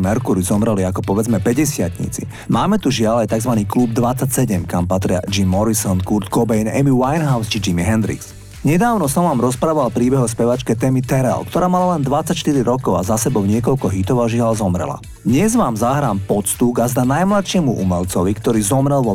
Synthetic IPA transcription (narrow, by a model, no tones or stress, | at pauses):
mɛɾkuɾizɔmɾɛliakɔpɔʋɛd͡zmɛpɛɟɛsɪat̪ɲḭt͡sḭ | maːmɛt̪uʒɪalajt̪aɡzʋaniːklubd̪ʋat͡sːacsɛɟɛmkampat̪ɾɪa̰d͡ʒimːɔɾisɔnkuɾt̪kɔbɛjnɛ̰miwajnɦaʊst͡ʃid͡ʒimiɦɛnd̪ɾḭks | ɲɛd̪aːʊnɔsɔmʋaːmɾɔspɾaːʋalpɾiːbɛɦɔs̬pɛʋat͡ʃkɛt̪ɛːmit̪ɛɾɛ̰lkt̪ɔɾaːmalalɛnd̪ʋat͡sːacʃt̪iɾiɾɔkɔʊazasɛbɔʊɲɪɛkɔʎkɔɦit̪ɔʋaʒiɦalzɔmɾɛ̰la̰ | d̪ɲɛzʋaːmzaɦɾaːmpɔt̪st̪uɡazd̪anajmlaʃɪɛmuʔṵmɛʎt͡sɔʋikt̪ɔɾiːzɔmɾɛlʋɔ